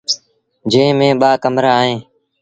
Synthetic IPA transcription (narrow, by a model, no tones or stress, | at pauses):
d͡ʒẽːmẽːɓaːkəmɾaːɦẽː